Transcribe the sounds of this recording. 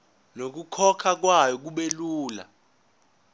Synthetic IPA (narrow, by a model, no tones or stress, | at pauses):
nok̬ukʰɔkʰak̬wajɔk̬uɓeluːla̰